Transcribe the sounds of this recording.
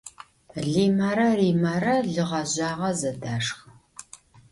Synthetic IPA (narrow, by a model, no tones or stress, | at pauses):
ɮiːmaːɾɐriːmaɾɐɮɨʁɐʑaːʁɐzɐdaːʂxɨ